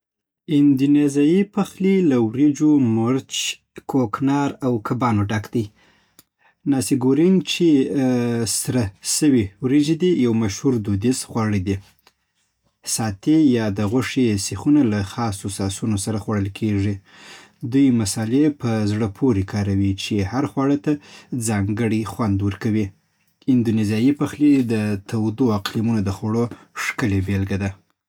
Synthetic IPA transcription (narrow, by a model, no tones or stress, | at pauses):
ɪnd̪unezɑjipaxlilawɾed͡ʒomʊɾt͡ʃ | kʰoknɑɾawkʰabɑnoɖakd̪əj | nɑsiɡoɾint͡ʃe | sɾasəwiwɾed͡ʒed̪ijawmaʃhuɾd̪ud̪isxwaɽid̪i | sɑt̪ejɑd̪əɣwaʂesexunalaxɑsosɑsunosaɾaxwaɽəlkʰeʐi | d̪ujmasɑlepəzɽəpʰoɾikʰɑɾawit͡ʃehaɾxwaɽət̪ad͡zɑŋɡəɽixwand̪wəɾkawi | ɪnd̪unezijɑjipaxlid̪ət̪awd̪oaqlimunod̪əxaɽo | ʂkəlebelɡad̪a